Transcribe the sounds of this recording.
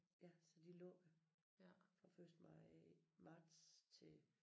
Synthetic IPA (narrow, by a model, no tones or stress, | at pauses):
jæsɒ̽d̥ilɔ̰̽ːjo | fɒføsd̥mɑɪmɑ̈ːd̥st͡sʰe̝